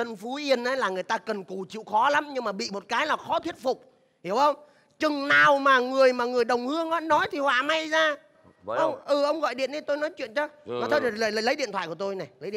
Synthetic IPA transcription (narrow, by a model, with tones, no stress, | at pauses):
t̪ə˧nfu˨˦ʔi˧ənʔəː˨˦jlaː˨˩ŋɨ˨˩əjt̪aː˧kə˨˩nku˨˩t͡ɕḭ˧˨wxɔ˨˦la˨˦mɲɨ˧ŋmaː˨˩ɓḭ˧˨mo˨˩t̚kaː˨˦jlaː˨˩xɔ˨˦t̪ʰi˦˥ət̚fʊ˨˩k͡p̚ | hi˧˩əwhə˧wŋ͡m | t͡ɕɨ˨˩ŋnaː˨˩wmaː˨˩ŋɨ˨˩əjmaː˨˩ŋɨ˨˩əjɗə˨˩wŋ͡mhɨ˧əŋʔaː˨˦nɔ˨˦jt̪ʰi˨˩hwa̰ː˧˨˩ma˧jzaː˧ | ʔə˧wŋ͡mʔɨ˨˩ʔə˧wŋ͡mɣɔ̰˧˨jɗḭ˧˨ənɗi˨˦t̪o˧jnɔ˨˦jt͡ɕwḭ˧˨ənt͡ɕɔ˧aː˨˩t̪ʰə˧˨˩ləː˨˩jləː˨˩lə˨˦jɗḭ˧˨nt̪ʰwa̰ː˧˨ku˧˩ət̪o˧jna˨˩jlə˨˦ḭ˧˨